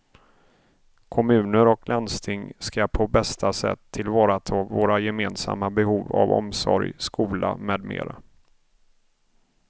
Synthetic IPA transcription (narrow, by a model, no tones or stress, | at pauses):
kʰɔmʉ̟ːnəɾɔklanst̪ʰɪŋskapʰɔbɛst̪ʰasɛ̰t̪ʰːɪlvɑːɾat̪ʰɑːvoːɾajɛmeːnsa̰mːabɛhuːva̰vɔ̰msɔ̰ɾjskuːla̰meːd̪mḛːɾa